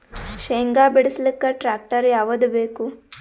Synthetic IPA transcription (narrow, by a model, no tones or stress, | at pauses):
ʃeŋɡaːbiɽislikːɐʈɾaːk̚ʈɐɾjaːʋɐd̪ubeːku